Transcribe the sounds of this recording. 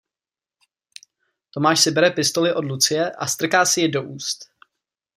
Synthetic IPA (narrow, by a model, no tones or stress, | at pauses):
t̪o̞maːʃsɪbɛɾɛpɪst̪olɪʔo̞dlut͡sɪjɛʔa̰st̪r̩kaːsɪjɛdo̞ʔuːst̪